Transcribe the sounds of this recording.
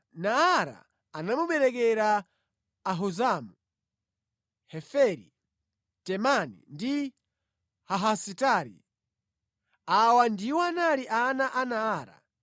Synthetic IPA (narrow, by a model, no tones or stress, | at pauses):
naːɾa̰ː | namuɓɛɾɛk̬ɛɾaː | ɦuzamu | hɛfɛɾi | tɛmanḭndi | haɦasitaɾḭ | awandiwɔanaliʔanaʔanaːɾa̰